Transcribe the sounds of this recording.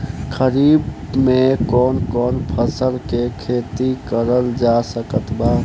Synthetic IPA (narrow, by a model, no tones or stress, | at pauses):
kʰəɾibmekɔːnkɔːnpʰəsəɾkekʰet̪ikəɾəld͡ʒasəkət̪ba